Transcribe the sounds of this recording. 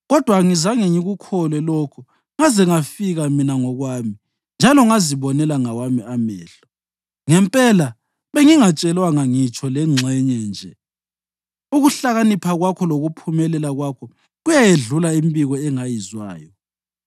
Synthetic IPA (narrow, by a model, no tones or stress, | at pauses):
ɣɔd̥ʱwaŋizaŋeɲiɣukʰɔlwɛlɔkʰu | ŋazɛŋafiɣaminaŋɔɣwaːmi | nd͡ʒʱalɔŋaziβɔnɛlaŋawamiamɛːɬɔ̥ | ŋɛmpʼɛla | βeŋiŋat͡ʃʼɛlwaŋaŋit͡ʃʼʰɔlɛŋ͡ǀʱɛɲɛnd͡ʒʱɛ | uɣuɬaɣanipʰaɣwakʰɔloɣupʰumɛlɛlaɣwakʰɔ | ɣujajeɮulaimbiɣɔɛŋajizwa̰ːjɔ